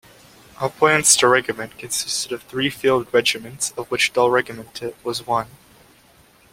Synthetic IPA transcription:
ʔəpʰl̥æ̃ntstʰəɹɛɡɨmɨ̃nkʰɨ̃nsɪstɨɾʌv̥θɹifilˠd̚ɹɛd͡ʒɨmɨ̃ntsʌvwɨt͡ʃd̥ʌlˠɹɛɡɨmɨ̃ntʰɨt̚wʌzwʌ̃n

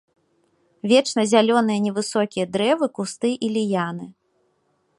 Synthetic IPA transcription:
vʲɛt͡ʂnɐzʲalʲɔn̪ɨjɐnʲɛvɨsɔkʲijɐd̪ɾɛvɨkust̪ɨʔilʲijanɨ

